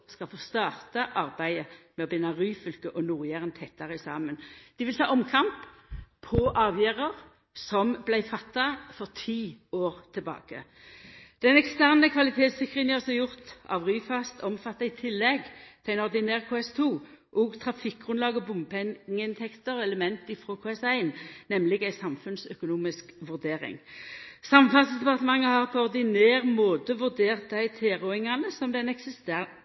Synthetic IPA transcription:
skɑlfoːst̪ɑːʁt̪ɑʔɑʁbæɪəmɛɔbɪnːɑʁyːfʏlkəʔɔnuːʁjæːʁənt̪ʰɛt̪ːɑʁəɪsɑːmənd̪̥ɪʋɪlt̪ʰɑ̰ːʔɔmkʰɑmpʰ | ɔʔɑːʋjæːʁəʁ | sɔmblæɪfɑt̪ːɑfɔʁt̪ʰiːoːʁt̪ʰɪbɑ̰ːkə̰ | d̪̥ɛnɛkst̪æʁnəkʰʋɑlɪt̪ʰeːt̪sʏkːʁɪənæɔʁsɔjʊʁt̪ɑ̰ʋʁyːfɑst̪ʰɔmfɑt̪ːɑɪt̪ʰɪlːɛɡt̪ʰɛæɪnɔʁd̪ɪnæːʁkʰoːɛst̪ʰuːʔɔːɡt̪ʰʁɑfɪk̚ɡʁʉnlɑːɡɔbʊməpʰɛŋːəɪnt̪ʰɛkt̪əʁɔɛləmɛnt̪ɪfʁoːkʰoːɛsæɪnːɛmlɪɡæɪsɑmfʉnsœkʊnuːmɪskʋʉʁd̪eːʁɪ̰ŋsɑmfɑssd̪ɛpɑʁt̪əmɑŋːəhɑʁpʰɔɔʁd̪ɪneːʁmoːt̪əʋʉʁd̪eːʁt̪̚d̪æɪt̪ʰeːʁʊɪŋɑnəsɔmd̪ɛnɛksɪst̪æ

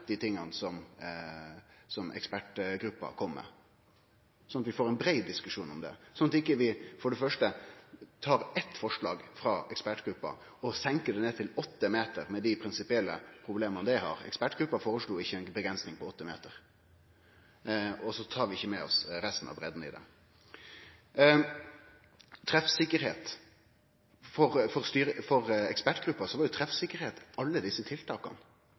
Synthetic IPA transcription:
d̪ɪt̪ʰɪŋːɑnsɔm | sɔmʔɛ̰kspæʈɡɾʉpːɑ̰kʰɔmːɛ̰ | sɔnɑt̪ʋɪfoːɾɛnbɾeɪd̪̚d̪ɪskʉʂuːnɔmd̪ɛ̰sɔnːɑt̪ɪkːəʋɪfɔɖəfœʂʈət̪ʰɑːɾɛt̪fɔʂlɑ̰ːɡfɾɑɛkspæʈɡ̥ɾʉpːɑ̰ | ɔsɛŋkəd̪ɛneːt̪ʰɪlɔt̪ːəmeːt̪əɾmɛd̪ɪpʰɾɪnsɪpɪɛlːəpʰɾʊbleːmɑnəd̪ɛɦɑ̰ːɾɛ̰kspæʈɡ̥ɾʉpːɑfoːɾəʂluːɪçːəɛnbəɡɾɛnsnɪŋpʰɔɔt̪ːəmḛːt̪əɾ | ɔsɔt̪ʰɑːɾʋɪɪçːəmɛɔ̰sɾɛst̪n̩ɑ̰ʋbɾɛd̪n̩ɪ̰d̪ɛ̰ | t̪ʰɾɛfsɪkːəɾheːt̪ | fɔʁfɔɾst̪yːɾəfɔɾɛkspæʈɡ̥ɾʉpːɑsɔʋɑɾjʊt̪ʰɾɛfsɪkːəɾheːt̪ɑlːəd̪ɪsːət̪ʰɪlt̪ʰɑːkɑ̰n

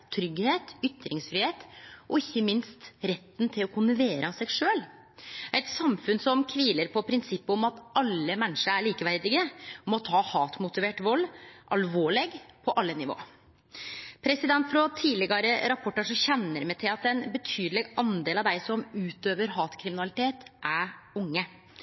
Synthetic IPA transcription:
t̪ʰɾʏɡheːt̪ʏt̪ːɾɪŋsfɾɪheːt̪ʔɔɪçːəmɪnst̪ɾɛt̪ːnt̪ʰɪlɔkʰʊnəʋeːɾəɑsɛɡʂøːl | æɪt̪sɑmfʉnsɔmkʰʋiːləɾpʰɔpʰɾɪnsɪpːɔmɑt̪ʔɑlːəmɛnʂəæɭiːkəʋæɾd̪ɪɡəmɔt̪ʰɑːhɑːt̪mʊt̪ɪʋeːʈʋɔlːʔɑlʋoːɭɛɡpʰɔʔɑlːənɪʋo̰ː | pʰɾɛsɪd̪ɛnt̪fɾɔt̪ʰiːlɪɡɑɾəɾɑpʰɔʈːəʂɔçɛnːəɾmɛt̪ʰɪlɑt̪ɛnbət̪ʰyːd̪lɛɡʔɑnd̪eːlɑʋd̪æɪsɔmʉːt̪øːʋəɾɦɑːt̪kʰɾɪmɪnɑlɪt̪ʰeːt̪ʔæɾʊŋːə

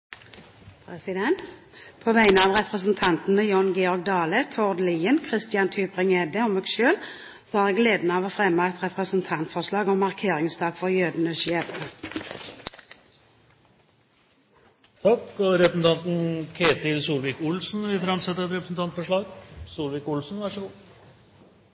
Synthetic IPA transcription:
pʰʁɛsɪd̪ɛnt̪ | pʰoːʋæɪnəɑːʋʁɛpʁəsn̩t̪ʰɑnt̪n̩əjɔnɡɛɔʁɡ̚d̪ɑːlət̪ʰɔʁd̪liːənkʰʁɪst̪ɪjɑnt̪ʰyːpʁɪŋɛd̪əɔmːeːɡʃøːl | sɔæːʁeːɡleːd̪nəɑːʋoːfʁɛmɑɛt̪ʁɛpʁəsn̩t̪ʰɑnt̪fɔʁslɑːɡɔmːɑʁkʰeːʁɪŋst̪ʰɑːɡ̥fɔʁjøːd̪nəʃɛfə | t̪ʰɑkːɔɾɛəsn̩t̪ɑnt̪n̩kʰeːt̪ɪlsuːlʋɪkʊlsn̩ʋɪfɾɑmsɛt̪ːəɾɛt̪ɾɛpɾəsn̩t̪ɑnt̪fɔʂɭɑːɡsuːlʋɪkʊlsn̩ʋæʂəɡuː

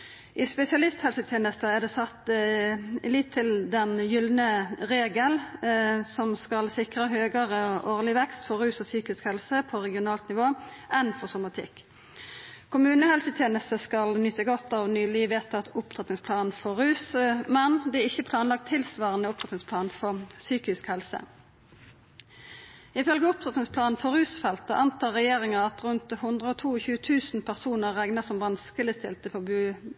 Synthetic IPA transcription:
ʔɪspɛsɪɑlɪst̪hɛlsət̪ʰjeːnəst̪əæd̪ɛsɑt̪ː | lɪt̪ʰːɪld̪ɛnjʏlnəʁeːɡəl | sɔmskɑlsɪkʁəɦøːɡəʁəʔoːʁlɪʋɛkst̪fɔɾʉːsɔsyːkɪskhɛlsəpʰɔʁɛɡɪʊnɑːlt̪nɪʋoːʔɛnfɔʁsʊmɑt̪ʰɪ̰kː | kʰʊmʉːnəhɛlsət̪ʰjeːnəst̪əskɑlnʏt̪ːəɡɔt̪ːɑːʋnyːlɪʋeːt̪ɑt̪ʊpt̪ʰʁɑt̪nɪŋspʰlɑːnfɔʁʉːsəmɛnd̪ɛæɪçəpʰlɑːnlɑk̚t̪ʰːɪlsʋɑːʁənəʊpt̪ɾɑt̪nɪŋspʰlɑːnfɔʁsyːkɪskhɛlsə̰ | ɪfœlɡəʊpt̪ʰʁɑt̪nɪŋspʰlɑːnfɔʁʉːsfɛlt̪əʔɑnt̪ʰɑːʁɛjeːʁɪŋəɑt̪ʁʉnt̪hʊnd̪ʁəoːt̪ʰuːçʉːət̪ʰʉːsn̩pʰæʁsuːnəʁːæŋnəsɔmʋɑnskəlɪst̪ʰɪ̰lt̪əfɔbʉː

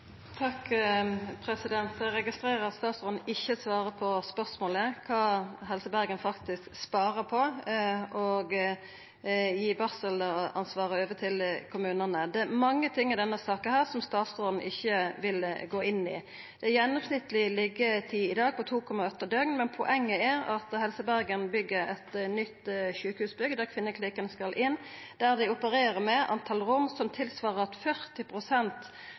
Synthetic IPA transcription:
t̪ʰɑk | pʰɾɛsɪd̪ɛnt̪ɾɛɡɪst̪ɾeːʁəst̪ɑːt̪sʁɔːd̪n̩ɪçːəsʋɑːɾəpʰɔspœsmoːləkʰɑːɦɛlsəbæɾɡənfɑkt̪ɪskspɑːɾəpʰɔ | ɔɡ | jiːbɑːsəlɑnsʋɑːʁəoːʋət̪ʰɪlkʰʊmʉːnənəd̪ɛmɑŋːət̪ʰɪŋːɪd̪ɛnːəsɑːkənhæːʁsɔmst̪ɑːt̪sod̪n̩ʔɪçːəʋɪlɡoːɪnːɪ̰ | d̪̥ɛːjɛnːɔmsnɪt̪əlɪlɪɡət̪ʰiːɪd̪ɑːɡ̚pʰɔt̪ʰuːkʰɔmɑœt̪əd̪œɡnmɛnpʰɔʔɛŋːəæʁɑt̪hɛlsəbæʁɡənbʏɡːəɾɛt̪nʏt̪ːʃʉːkhʉːsbʏɡd̪æʁkʰʋɪnːəkʰliːkɑnəskɑlʔɪn | d̪̥æʁd̪ɪʊpəɾeːʁəmɛʔɑ̰nt̪ʰɑlɾʊmsɔmt̪ʰɪlsʋɑːʁəɾɑt̪fœʁt̪ɪpʰʁʊsɛnt̪

